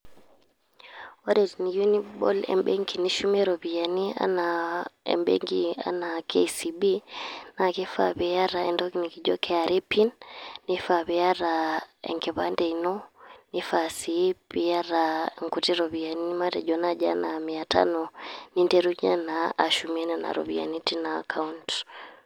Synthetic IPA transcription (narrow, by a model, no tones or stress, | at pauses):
wadɛniɡunibɔ̰lɛ̰mɓeŋɡiniʃumɛɾɔbijania̰naɛ̰mɓḛŋɡia̰nakʰesibinakɛfa̰bɛjaɾaɛndɔkinikid͡ʒɔkʰɛaɾepinːifaβɛjaɾaɛ̰ŋɡɛβandɛinɔnifasibiaɾaŋkutiɾɔβianiimatɛd͡ʒɔnad͡ʒa̰namiatʰa̰nɔnindɛɾuɲa̰naaʃumɛnɛna̰ɾɔ̰βḭa̰nitina̰ːkʰaunt